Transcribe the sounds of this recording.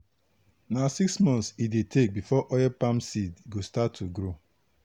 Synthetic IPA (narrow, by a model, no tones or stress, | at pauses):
nasiksmɔ̃nsidetʰek̚bifɔʔɔjɛpamsidɡostatʰːuɡɾo